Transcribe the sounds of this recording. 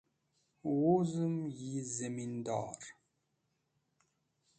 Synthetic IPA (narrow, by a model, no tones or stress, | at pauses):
wuzəmjizæmind̪ɑ̰ɾˤ